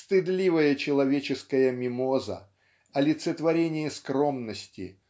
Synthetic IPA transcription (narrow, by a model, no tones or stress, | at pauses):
st̪ɨd̪lʲivəjət͡ɕɪlˠɐvʲet͡ɕɪskəjəmʲɪmozə̰ | ɐlʲɪt̪sət̪vɐɾʲenʲɪjəskɾo̞mnəsʲtʲɪ̰